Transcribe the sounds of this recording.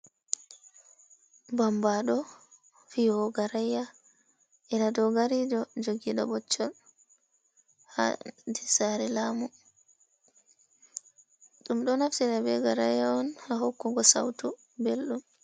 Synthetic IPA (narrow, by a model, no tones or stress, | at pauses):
bambaɗɔ | fihɔɡaɾajːa | ʔɛnadɔɡaɾid͡ʒɔd͡ʒoɡiːɗɔbɔt͡ʃːɔl | ha̰disaɾɛlamu | ɗumɗɔnaftiɗabɛɡaɾajːaɔnhahokːuɡɔsa̰wtu | belɗum